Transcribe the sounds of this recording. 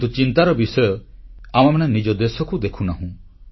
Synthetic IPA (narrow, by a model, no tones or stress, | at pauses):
t̪ut͡ʃint̪aɾɔbisɔjɔamamananid͡ʒɔd̪esɔkud̪ekʰunaɦũ